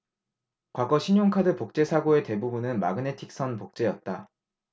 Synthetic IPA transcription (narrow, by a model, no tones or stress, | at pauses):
kwaɡʌɕʰiɲoŋkʰadɯpok̚t͡ɕ͈e̞sʰaɡoe̞te̞bubunɯnma̰ɡɯne̞tʰik̚s͈ʰʌnpok̚t͡ɕ͈e̞jʌt̚t͈a